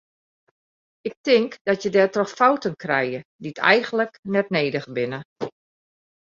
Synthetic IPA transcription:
ɪk̚tɪŋkdɔtjədɛːtrɔxfawtənkrɛjəditʰɛ̰jɣən̩ləknɛt̚neːdəxbɪnə

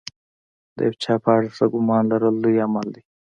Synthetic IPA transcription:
d̪ḛbt͡ʃʰaːpʰaːʈasɐɡumaːnlɐɾəld̪ujamɐld̪i

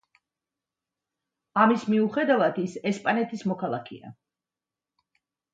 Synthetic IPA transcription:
amismiuχɛd̪avad̪isɛspʼanɛt̪ʰismɔkʰalˠakʰɛ̰a̰

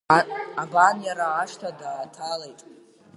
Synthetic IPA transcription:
abanjaɾaːʂtʰadaːtʰalejtʼ

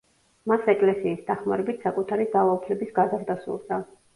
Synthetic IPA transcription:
masɛkʼlɛsiːsd̪aχma̰ɾɛbit̪ʰsakʼut̪ʰaɾiɡalˠaupʰlɛbisɡazaɾd̪asṵɾd̪a

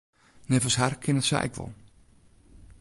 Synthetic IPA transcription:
nɛvəsharkʰɪnətsɛ̰jɛkʋɔ̰l

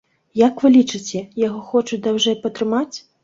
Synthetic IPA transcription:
jakvɨlʲit͡ʂɨt͡sʲɛjaɣɔxɔt͡ʂud̪awʐɛpɐt̪ɾɨmat͡sʲ

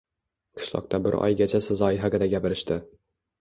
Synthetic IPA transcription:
qʰɨ̥ʃlˠɒ̰q̚t̪ʰabɪɾɒ̰jɡʲat͡ʃʰasɪzˠɒɪɦaɡʲɪd̪aɡʲapɪɾɪʃt̪ɪ

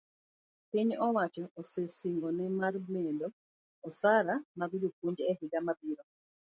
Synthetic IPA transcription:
piɲɔwat͡ʃɔʔːsesiŋɡɔnɛmarmɛdɔ | ɔsaɾamabiduk̚uɲd͡ʒɛhɪɡamabiɾɔ

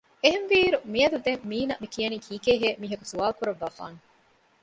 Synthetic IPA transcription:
eɦenʋiːɾumiɐd̪ud̪emːiːnɐʔmikijɐniːkʰiːkeːɦeːmiːɦɐku̥suaːlukuɾɐʋːaːfa̰ːŋe

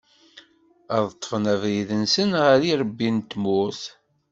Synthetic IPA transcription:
æðˤət̪ˤːə̥fnævɾiðənsənʁəɾiɾˤəbːint̪muθ

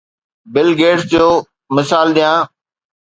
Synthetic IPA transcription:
bɪlɡeːʈsd͡ʑoː | mɪsaːlɗ̪ijãː

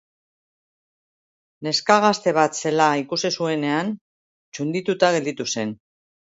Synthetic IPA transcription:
ne̞skaɣ̞ast̪e̞β̞at̪se̞laikusisue̞ne̞an | t͡ʃund̪it̪ut̪aɣe̞ld̪it̪use̞n

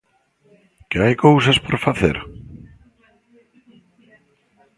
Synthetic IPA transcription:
cajkowsaspɔɾ̥faθɪ̰ɾ

